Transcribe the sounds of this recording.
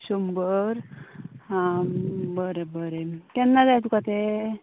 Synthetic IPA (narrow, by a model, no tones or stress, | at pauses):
sombəɾ | bəɾebəɾekɛnːad͡zajt̪ukat̪e